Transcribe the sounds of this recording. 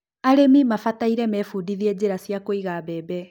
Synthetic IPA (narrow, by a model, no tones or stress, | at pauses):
aɾemimafataiɾɛmɛfudiðiɛd͡ʑeɾasjakoiɣaβɛːbɛ